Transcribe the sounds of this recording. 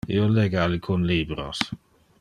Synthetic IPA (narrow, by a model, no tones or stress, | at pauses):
ḭoleɡaalikʰunliːbɾo̰s